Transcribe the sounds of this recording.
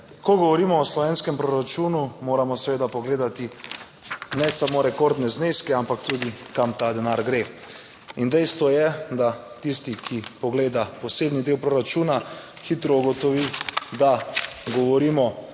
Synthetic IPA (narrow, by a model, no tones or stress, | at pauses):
kɔɡɔʋɔɾiːmɔːslɔʋeːnskɛmpɾoɾat͡ʃuːnumoːɾamɔsʋeːd̪apɔɡleːd̪at̪i | nɛsamoːɾɛkoɾd̪nɛzneskɛampakt̪uːd̪ikamt̪ad̪ɛnaɾɡɾe | ind̪ɛjst̪ʋɔjɛd̪a | t̪ist̪ikʰipɔɡleːd̪apɔseːbnid̪eːwpɾoːɾat͡ʃuːna | xiːt̪ɾɔuɡɔt̪ɔʋid̪aɡɔʋɔɾiːmɔ